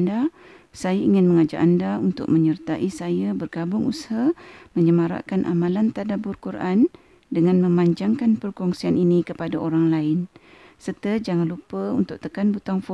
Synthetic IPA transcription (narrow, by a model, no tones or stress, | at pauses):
nda | sajaiŋɪnməŋad͡ʒa̰ʔandaunt̪ʊ̰k̚məɲərt̪aʔisajabərɡabʊŋushamə̃ɲəmaɾa̰ʔkanʔa̰mãlant̪adabʊrkuɾʔan | dəŋãnmə̃maɲd͡ʒaŋkanpərkɔŋsianinikəpadaʔoɾaŋlaɪnsərt̪əd͡ʒaŋanlupəunt̪ʊk̚t̪əkanbut̪aŋfɔ